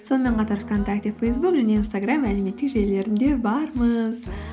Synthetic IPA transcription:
so̞nːeɴqʰɑt̪ɑɾkʰont̪ak̚t̪efejsbukʒɵnejinst̪aɡramælɪme̞t̪ːɪkʒejle̞ɾɪnd̪e̞bɑɾməz̥

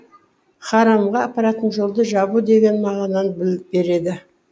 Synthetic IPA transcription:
χɑɾɑmʁɑːpːɑɾɑt̪ənʒo̞lˠd̪əʒɑbud̪e̞ɡʲe̞nmɑʁɑnɑnbɪbe̞ɾe̞d̪ɪ

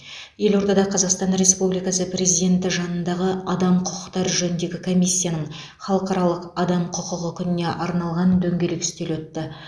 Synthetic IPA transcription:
je̞lo̞ɾd̪ɑd̪ɑqʰɑzɑqst̪ɑnɾe̞spublijkɑsəpɾʲe̞zijd̪e̞nt̪ɪʒɑnənd̪ɑʁəɑd̪ɑmqʰʊ̥qʊ̥qt̪ɑɾʒɵnɪnd̪e̞ɡʲɪkʰo̞mʲijsʲːijanəɴ | χɑlˠəqɑɾɑlˠəqɑd̪ɑmqʰʊqəʁəkʲʰʏnɪne̞ʔɑɾnɑlˠʁɑnd̪ɵŋɡʲe̞lɪkɪ̥st̪e̞lwɵt̪ːɪ

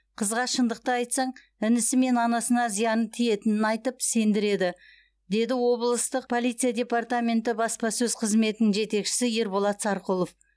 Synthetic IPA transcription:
qʰəzʁɑʃənd̪əq̚t̪ɑɑjt̪sɑɴ | ɪnɪsɪme̞nɑnɑsənɑzijɑnəp̚t̪ʰije̞t̪ɪnɪnɑjt̪əpse̞nd̪ɪɾe̞d̪ɪ | d̪e̞d̪ɪwo̞blˠəst̪əq̚pʰo̞lˠijt̪sɨjadʲe̞part̪amʲe̞nt̪ɪbɑspɑsɵzqʰəzme̞t̪ɪnɪnʒe̞t̪e̞kʃɪ̥sɪjeɾbolˠɑt̪sɑɾqulˠo̞f

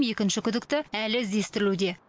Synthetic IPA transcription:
mje̞kʲɪnʃɪkʲʰʏd̪ɪkt̪ɪælɪze̞st̪ɪɾɪlud̪e̞

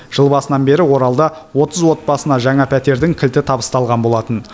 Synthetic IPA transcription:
ʒ̥əlˠbɑsənɑnbe̞ɾɪwo̞ɾɑlˠd̪ɑ | wo̞t̪əzwo̞t̪̚bɑsənɑʒæŋɑpʰæt̪e̞ɾd̪ɪŋkʲʰɪlt̪ɪt̪ʰɑbəst̪ɑlˠʁɑnbo̞lˠɑt̪ən

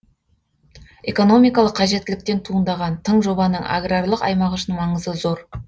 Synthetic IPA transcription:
e̞ko̞no̞mʲijkɑlˠəqʰːɑʒe̞t̪ːɪlɪk̚t̪e̞nt̪ʰuənd̪ɑʁɑnt̪ʰəɴʒo̞bɑnəɴʔa̰ɡrarlˠəqɑ̰jmɑʁəʃənmɑɴəzəzo̞ɾ

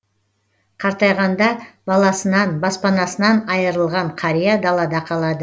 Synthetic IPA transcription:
qʰɑɾt̪ɑjʁɑnd̪ɑbɑlˠɑsənɑnbɑspɑnɑsənɑnɑjəɾəlˠʁɑɴqʰɑɾijad̪ɑlˠɑd̪ɑqʰɑlˠɑd̪ə

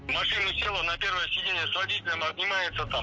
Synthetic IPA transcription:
mɐʂɨnɨsʲelˠənɐpʲe̞rvəjəsʲɪdʲenʲɪəsvɐdʲitʲɪlʲəmɐb̪̚ʲnʲɪmajɪt̪sət̪am

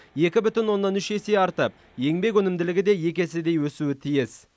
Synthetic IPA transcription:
je̞kʲɪbʏt̪ɪnwo̞nːɑnʏʃe̞se̞ɑɾt̪ɑp̚ | je̞ŋbe̞kɵnɪmd̪ɪlɪɡʲɪd̪e̞je̞kʲe̞s̬ɪd̪e̞jwɵsuɪt̪ʰijɪs

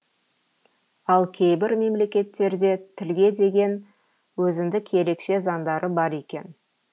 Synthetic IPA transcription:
ɑlˠkʲʰe̞jbɪɾme̞mle̞kʲe̞t̪ːe̞ɾd̪e̞t̪ʰɪlɡʲe̞d̪e̞ɡʲe̞n | wɵzɪnd̪ɪkje̞ɾe̞kʃe̞zɑnd̪ɑɾəbɑɾe̞kʲe̞̰n

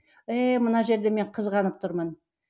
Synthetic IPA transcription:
emənɑʒe̞ɾd̪e̞me̞ɴqʰəzʁɑnəp̚t̪ʰʊɾmən

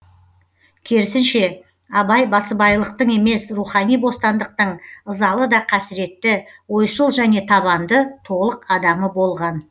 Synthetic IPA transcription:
kʲʰe̞ɾɪsɪnʃe̞ | ɑbɑjbɑsəbɑjlˠəq̚t̪əɴe̞me̞sruχɑnijbo̞st̪ɑnd̪əq̚t̪əɴəzɑlˠəd̪ɑqʰæsɪɾe̞t̪ːɪwo̞jʃəlˠʒæne̞t̪ʰɑβɑnd̪ət̪ʰo̞lˠəqɑd̪ɑməbo̞lˠʁɑn

